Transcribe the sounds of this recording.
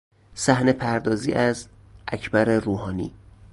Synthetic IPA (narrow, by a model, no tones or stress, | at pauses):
sæhne̞pʰæɾd̪ɒːzḭːʔæz | ʔæcʰbæɾeɾuːɦɒːnḭː